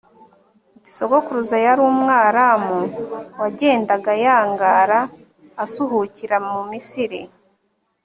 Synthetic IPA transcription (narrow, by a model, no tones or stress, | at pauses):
uɟisoɡokuɾuzajaɾuːmŋaːɾamuwaɟe̞ːndaɡajaːŋɡaːɾaː | suɦuciɾamumisiɾḭ